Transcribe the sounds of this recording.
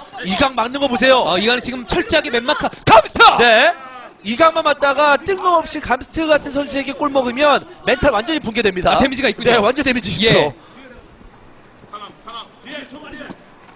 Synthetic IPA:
iɡaŋmaŋnːɯnɡʌpos̬ʰe̞joaiɡanɯt͡ɕiɡɯmt͡ɕʰʌɭt͡ɕ͈aɡemenmakʰakamstʰane̞ | iɡaŋmanmat̚t͈aɡat͈ɯŋɯmʌp̚ɕ͈ikamsʰɯ̥tʰɯɡatʰɯnsʰʌnsʰue̞ɡe̞k͈oɭmʌɡɯmjʌnme̞ntʰaɭwand͡ʑʌɲipuŋɡedwe̞mɲidaemid͡ʑiɡaik͈ne̞wand͡ʑʌntemid͡ʑiɕʰio

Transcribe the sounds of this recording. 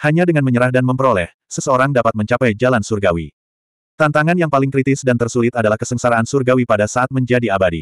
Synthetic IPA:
haɲadəŋanməɲəɾahdanməmpəɾolɛh | səsəoɾaŋdapat̪məɲt͡ʃapajd͡ʒalansurɡawḭ | t̪ant̪aŋanjaŋpalɪŋkɾit̪ɪsdant̪ərsulɪt̪adalahkəsəŋsaɾaːnsurɡawipadasaat̪̚məɲd͡ʒadiabadḭ

